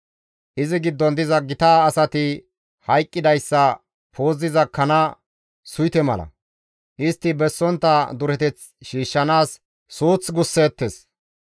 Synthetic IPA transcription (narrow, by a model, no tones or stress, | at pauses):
ʔɪzɪɡɪd̪ːɔnd̪ɪzɐɡɪt̪aːsɐt̪ɪ | hɐjkʼːɪd̪ɐjsːɐ | pʰo̞ːzɪzɐkɐnɐ | sʊjt̪ɛmɐ̰lɐ̰ | ʔɪst̪ːɪbɛsːɔnt̪ːɐd̪ʊɾɛt̪ɛt͡s | ʃiːʃːɐnaːsː | uːt͡sɡʊsːeːt̪ːes